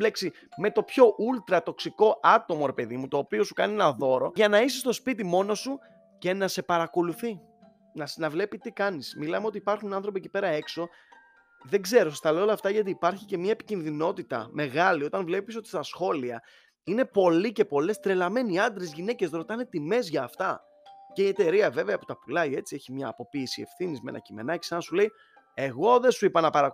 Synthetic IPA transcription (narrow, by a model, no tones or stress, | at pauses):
leksi | me̞t̪o̞pço̞ʔult̪ɾɐt̪o̞ksiko̞ʔɐt̪o̞mo̞ɾe̞pe̞ðimut̪o̞ːpio̞su̥kɐnienɐðo̞ɾo̞ʝɐnɐisest̪o̞spit̪imo̞no̞su | ce̞nɐse̞pɐɾɐko̞luθi | nɐsnɐvle̞pit̪ikɐnismilɐmeo̞t̪iːpɐɾxunɐnθɾo̞p̬ieci̥pe̞ɾɐe̞kso̞ | ðe̞ɡze̞ɾost̪ɐleolɐːft̪ɐʝɐt̪̬iːpɐɾçice̞mɲɐepi̥cinðino̞t̪it̪ɐ̰me̞ɣɐlio̞t̪ɐnvle̞piso̞t̪i̥st̪ɐsxo̞liɐ | ine̞po̞lice̞po̞le̞st̪ɾelɐme̞niiɐnd̪ɾe̞zʝine̞ce̞sɾo̞t̪ɐne̞t̪ime̞zʝɐːft̪ɐ | ceie̞t̪e̞ɾiɐve̞veɐpo̥t̪ɐpulɐie̞t͡sie̞çimɲɐːpo̞piːsie̞̰fθinizmḛnɐ̰cime̞̰nɐci̥senɐsule̞i | e̞ɣo̞ðesuipɐnɐpɐɾɐ